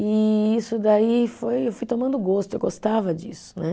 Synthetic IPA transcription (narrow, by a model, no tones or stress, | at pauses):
ɪisʊd̪aifojewfujt̪õmɐ̃nd̪ʊɡost̪ʊewɡost̪avɐd͡ʒḭsʊ̥nɛ